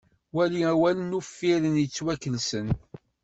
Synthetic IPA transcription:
wæliæwælənufːiɾənjət͡sːwækːəlsən

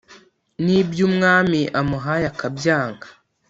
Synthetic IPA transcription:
nibjumŋaːmiʔamuɦajakabjaːŋɡḁ

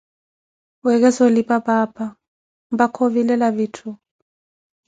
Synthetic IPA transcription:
wɛɣ̬ɛsɔlipapapʰʼa | mbakʰoβilɛlaβitʰu

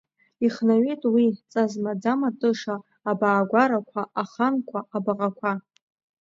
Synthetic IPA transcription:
iχnaɥejtʼwit͡sʼazmad͡zamatʼɨʂaː | baːɡʷaɾakʷʰaʔaχankʷʰaʔabaʁʼakʷʰa

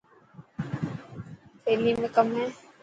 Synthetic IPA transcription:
fʰeːlimẽkəmɦɛ̃ː

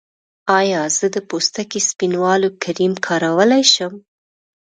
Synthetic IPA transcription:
ɑjɑz̥əd̪əpost̪akispinwɑlokʰaɾimkʰɑɾawəlajʃəm

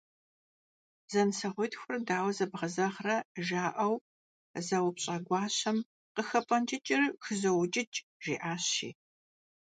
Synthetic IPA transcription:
z̥ɐnsɐʁʷʊjtxʷʊrdaːwɐzɐbʁɐzɐʁrɐʒaːʔɐw | zɐwʊpɕʼɐɡʷɑːɕɐm | qəxɐpʼɐnt͡ʃʼɪt͡ʃʼɪrxɨzɐwt͡ʃʼɪt͡ʃʼʒ̥iːʔaːɕḭː

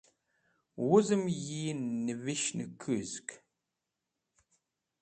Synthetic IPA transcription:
wʊzɨmjiːnːɨvɨʃnɨ̰kʰɨzkʰʼ

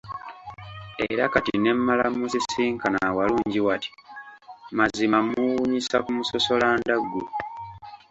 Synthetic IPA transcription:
ḛɾakatḭne̞mːalamuzisiːŋkanawaluːɲɟiwati̥ | mazimamuwuɲisakumuso̞so̞laːndaɡːu

